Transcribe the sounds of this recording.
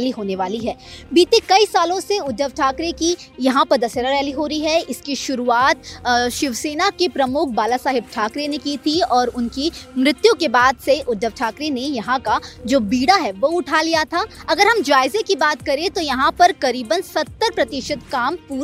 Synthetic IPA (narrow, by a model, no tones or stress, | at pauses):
ɛliɦoːneʋaːliɦɛːbiːt̪ekɐisaːlõseʊd̪ːəʋʈʰaːkɾekijɐɦãpɐɾd̪ɐsjəɾaɾɛːliɦoːɾɐiɦɛɪskiʃʊɾuaːt̪ʃɪʋseːnakepɾɐmʊk̚ʰbaːlasaːɦɪb̚ʈʰaːkɾenekiːt̪ʰiɔːɾʊnkimɾɪt̪jõkebaːd̪seʔʊd̪ːəʋʈʰaːkɾenejɐɦãkad͡ʒoːbiːɽaɦɛʋoʊʈʰalijat̪ʰaːɐɡəɾɦɐmd͡ʒaːɪzekibaːt̪kɐɾẽt̪ojɐɦãpɐɾkɐɾiːbənsɐt̪ːəɾpɾɐt̪ɪʃəd̪kaːmpuː